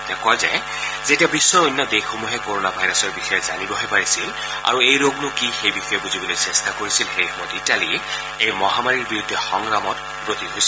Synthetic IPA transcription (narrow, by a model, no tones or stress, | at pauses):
tiakɔazɛ̰ | zetiabisːɔojnːɔdejxomuɦɛkoɹonabʱajɹɔsɔɹbixɔjɛza̰nibɔɦojpaɹisil | a̰ɹuejɹoɡnʊkixejbixɔjɛbuzibɔlojsɛstakoɹisilxejxɔmɔtitali | ejmɔɦamaɹiɹbiɹudʱːɛxɔŋɹamɔt | bɹot̪iɦojs